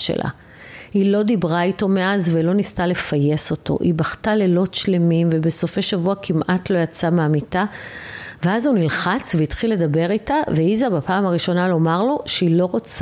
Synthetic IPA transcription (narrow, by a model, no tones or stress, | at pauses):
ʃḛlʔa̰ | hilo̞d̪ibʁaito̞me̞ʔazvelo̞nistale̞faje̞so̞tʰo̞̰ʔibaχtale̞lo̞tʃle̞mimvebe̞so̞feʃavuakʰimʔatlo̞jat͡sameamita | veazunilχat͡sveit̪χilːe̞dabe̞ʁitaveizabapaːmaʁiʃo̞nalo̞maʁlo̞ʃeilo̞ʁot͡s